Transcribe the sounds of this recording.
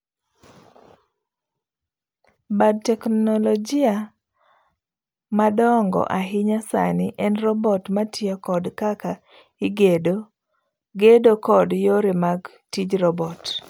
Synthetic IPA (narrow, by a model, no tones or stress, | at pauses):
bad̚tɛknɔlɔd͡ʒɪa | madɔŋɡɔ̰ʔaɦɪɲasa̰nɪʔɛnrɔbɔtmatjɔkɔdkaka | ɪɡedo | ɡedokɔdjoɾɪmaɡ | tid͡ʒɾɔbɔt